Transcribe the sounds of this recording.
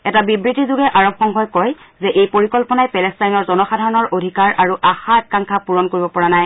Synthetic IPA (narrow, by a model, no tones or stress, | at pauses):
ɛtabibɹitizuɡɛʔaɹɔb̚xɔŋɦɔjkɔj | zɛʔejpoɹikɔlpɔnajpɛlɛstajnɔɹzɔnɔxadʱaɹɔnɔɹʔodʱikaɹʔaɹuʔaxaɛkːaŋkʰapuɹɔnkoɹibɔpɔɹanaj